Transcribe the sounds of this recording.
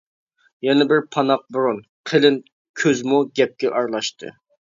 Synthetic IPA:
jɛnɛbɪɾpʰɑnɑq̚buɾunqʰelɪn | kʲʰøzmuɡʲɛp̚kʲɛʔɑɾlˠɑʃt̪ʰɨ̰

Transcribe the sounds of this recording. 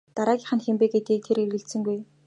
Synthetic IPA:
t̪aɾaːɡʲiːχə̆nxempeːɡet̪ɡiːk̚t̪ʰeɾeɾɘ̆ɬt̪sɘ̆ŋɡuj

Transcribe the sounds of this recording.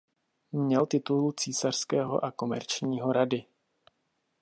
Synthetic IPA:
mɲɛlt̪ɪt̪ulut͡siːsar̥skɛːɦo̞̰ʔako̞mɛ̰ɾt͡ʃɲiːɦo̞ɾadɪ

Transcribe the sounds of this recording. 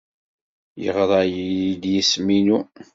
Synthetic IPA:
jə̰ʁðˤɑjid̪jəsminu

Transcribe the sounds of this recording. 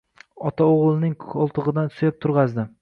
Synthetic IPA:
ɒt̪ʰaoʁlˠnɪŋkɒlˠt̪ʰɨʁɨd̪ansʊjap̚t̪ʰʊɾʁɑzd̪ɪ

